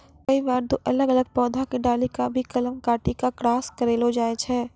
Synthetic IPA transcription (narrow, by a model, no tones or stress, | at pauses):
kɐibaːɾd̪oːʔɐləɡɐləɡ̚pɔːd̪ʱãkiɖaːlikabʱikɐləmkaːʈikakɾaːskɐɾeːlod͡ʒaːet͡ʃʰɛː